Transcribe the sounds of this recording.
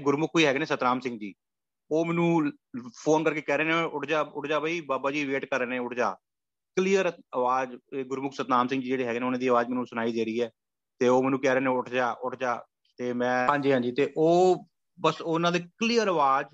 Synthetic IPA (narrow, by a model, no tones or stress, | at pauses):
ɡʊɾmʊkʰːiːɦɛːɡneːsət̪ɾaːmsɪ̃ŋɡd͡ʒiː | oːmɛːnũː | pʰoːnkəɾkeːkɛːɾeːnẽːʊʈʰd͡ʒaːʊʈʰd͡ʒaːbaːiːbaːbaːd͡ʒiːʋeːʈkəɾnẽːʊʈʰd͡ʒaː | kəlijəɾəʋaːd͡ʒɡʊɾmʊkʰsət̪naːmsɪ̃ŋɡd͡ʒiːd͡ʒeːɽiːɦɛːɡneːʊnãːd̪iːəʋaːd͡ʒmɛːnũːsʊnaːiːd̪eːɾiːɛː | t̪eːoːmɛːnũːkɛːɾeːnẽʊʈʰd͡ʒaːʔʊʈʰd͡ʒaː | t̪eːmɛ̃ːãːɲd͡ʒiːɦãːd͡ʒiːt̪eːʔoː | bəsonãːd̪eːkliːjəɾəʋaːd͡ʒ